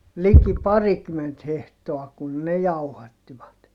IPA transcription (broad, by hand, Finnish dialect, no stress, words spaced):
liki pɑrikymːent hehtoɑ kun ne jɑuhɑtːiʋɑt